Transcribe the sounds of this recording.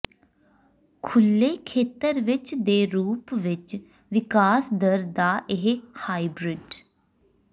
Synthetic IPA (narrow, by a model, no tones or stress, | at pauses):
kʰʊlːeːkʰeːt̪əɾʋɪt͡ʃd̪eːɾuːpʋɪt͡ʃ | ʋɪkaːsd̪əɾd̪aːʔɪɦhaːibɾɪɖ